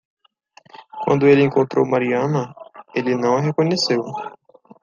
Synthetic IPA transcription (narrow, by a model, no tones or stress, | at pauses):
kwɐ̰̃nd̪ʊelɪẽŋkõnt̪ɾo̰wmaɾiɐ̃nɐelɪnɐ̃w̃ɐɦekõɲesew